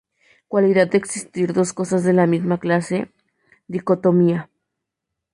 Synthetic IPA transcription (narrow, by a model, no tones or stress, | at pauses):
kwaliðad̪̚d̪eːksist̪iɾðo̞sko̞sazðe̞lamizmaklase̞ | ðiko̞t̪omia